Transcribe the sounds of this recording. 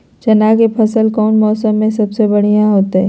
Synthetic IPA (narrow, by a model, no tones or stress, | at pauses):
t͡ʃɐnaːkepʰɐsəlkɔːnmɔːsəmːẽsɐbsebɐɽ̤ijãɦoːt̪eɛ